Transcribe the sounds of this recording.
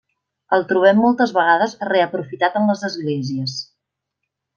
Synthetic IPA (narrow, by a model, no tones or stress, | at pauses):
əlˠt̪ɾuβ̞ɛmːɔlˠt̪əzβəɣ̞aðəzreəpɾufit̪at̪əmləzəzɣleziəs